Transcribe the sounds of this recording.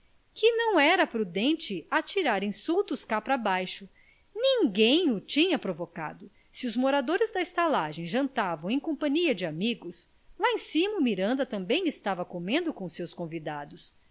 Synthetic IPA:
kɪnɐ̃w̃ɛɾɐpɾud̪ẽnt͡ʃɪat͡ʃiɾaɾĩsuwt̪ʊskapɾɐbajʃʊ | nĩŋɡẽj̃ʊt͡ʃĩɲɐpɾovoka̰d̪ʊ | sɪʊzmoɾad̪oɾɪzd̪ɐɪst̪alaʒẽj̃ʒɐ̃nt̪avɐ̃w̃ẽj̃kõmpɐ̃ɲiɐd͡ʒɪamiɡʊs | laẽsĩmɐumiɾɐ̃nd̪ɐt̪ɐ̃mbẽj̃ɪst̪avɐkomẽnd̪ʊkõsewskõvid̪ad̪ʊs

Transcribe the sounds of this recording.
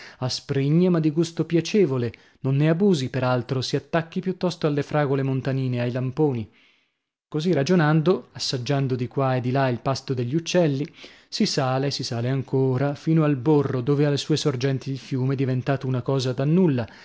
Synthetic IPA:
aspɾiɲːemad̪ːiɡust̪opjat͡ʃeːvole | nonːeabuːzipeɾalt̪ɾosiat̪ːakːipjut̪ːɔst̪oalːefɾaːɡolemont̪aniːneajlampoːni | kozirad͡ʒonand̪oasːad͡ʒːand̪od̪ikwaed̪ːilailpast̪od̪eʎːiut͡ʃːɛlːi | sisaːlesisaːleaŋkʰoːɾafiːnoalborːod̪oːvealːesuːesord͡ʒɛnt̪iilfjuːmed̪ivent̪aːt̪ounakɔːzad̪anːulːa

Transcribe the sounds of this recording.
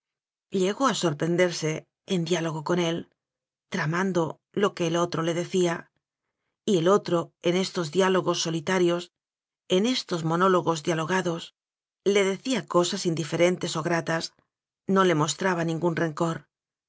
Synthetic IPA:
ʎe̞ɣo̞aso̞ɾpɾe̞nd̪e̞ɾse̞ː | nd̪jalo̞ɣo̞ko̞ne̞l | t̪ɾamãnd̪o̞ | lo̞ke̞ːlo̞t̪ɾo̞le̞ðe̞θia | ie̞lo̞t̪ɾo̞e̞ne̞st̪o̞zðjalo̞ɣo̞sːo̞lit̪aɾjo̞s | e̞ne̞st̪o̞zmo̞no̞lo̞ɣo̞zðjalo̞ɣ̞aðo̞s | le̞ðe̞θiako̞sasind̪ife̞ɾe̞nt̪e̞so̞ɣɾat̪as | no̞le̞mo̞st̪ɾaβanĩŋɡunre̞ŋko̞ɾ

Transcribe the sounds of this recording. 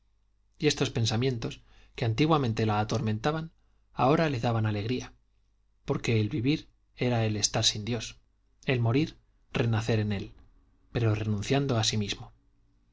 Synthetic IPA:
je̞st̪o̞spe̞nsamje̞nt̪o̞s | keant̪iɣwamẽ̞nt̪e̞laːt̪o̞ɾmẽ̞nt̪aβan | a̰o̞ɾale̞ðaβanale̞ɣɾia | po̞ɾke̞ːlβiβiɾ | e̞ɾae̞le̞st̪aɾsind̪jo̞s | e̞lmo̞ɾiɾ | re̞naθe̞ɾe̞ne̞l | pe̞ɾo̞re̞nũnθjand̪o̞asimizmo

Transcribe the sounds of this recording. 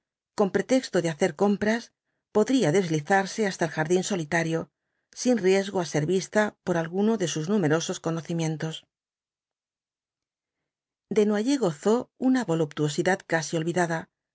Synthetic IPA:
ko̞mpɾe̞t̪e̞kst̪o̞ðeaθe̞ɾko̞mpɾas | po̞ðɾiaðe̞zliθaɾse̞ast̪aelxaɾðinso̞lit̪aɾjo̞ | sinrje̞zɣoase̞ɾβist̪apo̞ɾalɣuno̞ðe̞suznume̞ɾo̞so̞sko̞no̞θimjẽ̞nt̪o̞s | d̪e̞nwaʝeɣo̞θo̞unaβo̞lup̚t̪uo̞siðaðkasio̞lβiðaða

